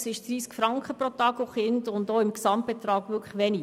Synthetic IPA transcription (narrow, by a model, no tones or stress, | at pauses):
sɪʃd̥riːskfɾɑŋkχəpɾotɑːɡoχɪndʊndoːɪmksɑmt̚b̥ɛt̪ɾɑːɡ̥ʋʏkʰlə̥ʋɛni